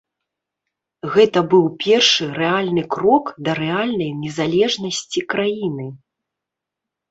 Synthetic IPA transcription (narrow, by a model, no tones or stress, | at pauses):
ɣɛt̪ɐbɨwpʲɛrʂɨrɛalʲnɨkɾɔkd̪ɐɾɛalʲnɐjnʲɛzalʲɛʐnɐsʲt͡sʲikɾajinɨ